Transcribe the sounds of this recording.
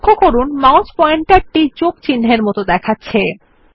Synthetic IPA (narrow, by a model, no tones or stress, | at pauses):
kʰːokoɾunmaot͡ɕpɔeɳʈeʈːid͡ʑoɡt͡ɕinːɦeɾmɔt̪od̪ɛkʰatːɕʰe